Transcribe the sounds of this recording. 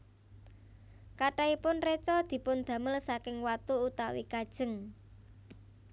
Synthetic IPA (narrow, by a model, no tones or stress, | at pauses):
kaʈaipʊnret͡ʃɔd̪̥i̤pʊnd̪̥ä̤məlsakɪŋwat̪uut̪awḭkad̥ʒ̥ə̤ŋ